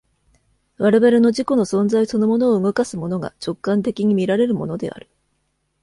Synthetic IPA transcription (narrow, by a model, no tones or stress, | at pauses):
βaɾeβaɾe̞no̞ʑiko̞no̞sõ̞nzaiso̞no̞mo̞no̞ːɯɡo̞kasɨmo̞no̞ɡa̰t͡ɕo̞kːãnt̪e̞kʲiɲ̟imʲiɾaɾe̞ɾɯ̟mo̞no̞d̪e̞̰ʔa̰ɾɯ̟̥